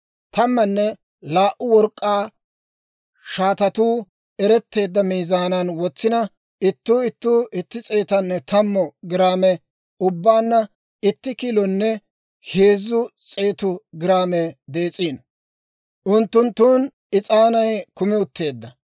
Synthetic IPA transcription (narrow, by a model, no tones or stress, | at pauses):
t̪ʰɐmːɐnːɛ | laːʔʊwɔɾkʼːaː | ʃaːt̪ɐt̪uː | ɛɾɛt̪ːe̞ːd̪ːɐmiːzaːnɐnwɔt͡sːɪnɐ | ɪt̪ːuːɪt̪ːuːʔɪt̪ːɪt͡sʼe̞ːt̪ɐnːɛt̪ɐmːɔɡɪɾaːmɛ | ʊbːaːnːɐ | ɪt̪ːɪkiːlɔnːɛ | heːzːʊt͡sʼe̞ːt̪ʊɡɪɾaːmɛd̪e̞ːt͡sʼiːn | ʔʊnt̪ːʊnt̪ːuːn | ɪt͡sʼaːnɐjkʊmɪʊt̪ːe̞ːd̪ːɐ